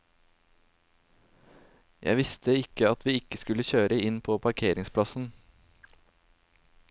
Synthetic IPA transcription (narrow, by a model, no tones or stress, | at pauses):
jʔæ̰ɪʋɪst̪əɪkəɑt̪ʰʋiːɪkːəskʉləçøːɾəɪnpʰoːpʰɑɾkʰeːɾɪŋspʰlɑsn̩